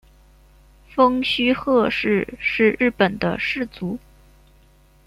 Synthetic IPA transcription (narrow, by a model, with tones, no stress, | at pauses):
fɤ˥ŋɕy˥xɤ˥˧ʂɻ̩˥˧ʂɻ̩˥˧ɻɻ̩˥˩pə˨˩nd̪ə̰˦ʂɻ̩˥˩t͡su˧˥